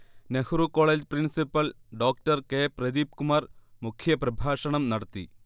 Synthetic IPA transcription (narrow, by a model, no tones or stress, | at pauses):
nehuɾuko̞ːɭeːd͡ʑprinsipːɐlɖo̞ːk̚ʈɐrkeːprɐd̪iːp̚kumarmukʰjɐprɐbʱaːʂɐɳɐmnɐɽɐt̪ːḭ